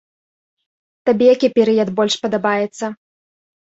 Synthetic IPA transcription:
t̪abʲɛjakʲipʲɛɾɨjɐd̪bɔlʲʂpɐd̪abajɛt̪sːɐ

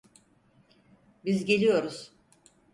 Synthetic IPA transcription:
bizɟe̞lʲijo̞ɾuz̥

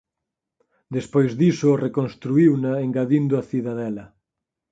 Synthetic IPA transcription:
d̪espojzðisʊːrekonst̪ɾuiwnaeŋɡaðind̪ʊaθiðaðɛlɐ

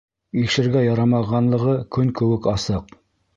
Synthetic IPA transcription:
iʃɘ̆ɾɡæjɑɾɑmɑʁɑnlˠɤ̆ʁɤkɵŋkɵ̆wɘkɑsɤq

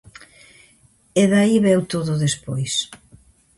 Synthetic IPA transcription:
eðaiβɛwt̪oðʊðespojs

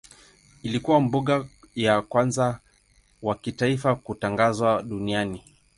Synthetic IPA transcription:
ilikuwambuɠa | jakwanza | wakitaifakutaŋɡazwaɗuniani

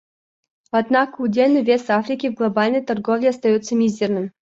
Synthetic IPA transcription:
ɐd̪nakəudʲelʲnəjvʲesafɾʲɪkʲɪvɡlˠɐbalʲnəjt̪ɐrɡovlʲɪɐst̪ɐjut̪sːəmʲizʲɪrnɨmʲ

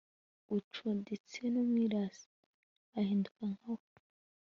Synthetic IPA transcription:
ut͡ʃundit͡senomwiːɾaːsi̥ | ahiːndukaŋawo

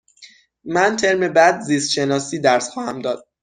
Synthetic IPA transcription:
mænt̪ʰe̞ɾme̞bæd̪zist̪ʃe̞nɒːsiːd̪æɾsxɒːhæmd̪ɒːd̪̥̚

